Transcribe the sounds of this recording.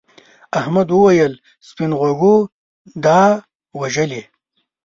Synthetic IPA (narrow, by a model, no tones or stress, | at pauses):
ahmad̪wəwajəl | spinʁaɡu | d̪ɑ | waʒəle